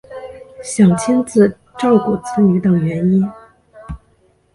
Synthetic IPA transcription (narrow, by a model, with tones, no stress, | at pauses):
ɕjɑ˨˩ŋt͡ɕʰi˥nt͡sɹ̩˥˧ | ʈ͡ʂɑ˥˩ʊku˨˩t͡sʰə˧˥ŋy˧˥t̪ɤ˨˩ŋɥɛ˧˥ni˥n